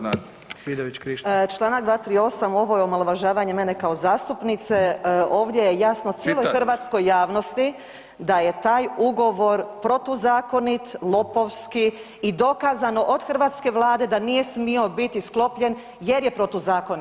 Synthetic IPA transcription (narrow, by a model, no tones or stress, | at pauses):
ʋid̪aʋit͡ʃkɾit͡ʃlˠaːnakd̪ʋaːt̪ɾio̞samo̞ʋo̞jeomaloʋaʒaːʋaɲe̞menekao̞zaːst̪upnit̪se̞o̞ːʋd̪je̞jejasnot̪sjeːlojxrʋaːt̪sko̞jːaːʋno̞st̪i | d̪aje̞t̪aːjuɡo̞ʋo̞ɾpɾo̞t̪uzaːko̞nit̪lˠo̞po̞ʋskiː | d̪o̞kaːzano̞ʔod̪xr̩ʋaːt̪ske̞ʋlˠaːd̪e̞d̪anijesmio̞bit̪isklˠo̞pʎe̞n | je̞ɾje̞pɾot̪uzaːkoni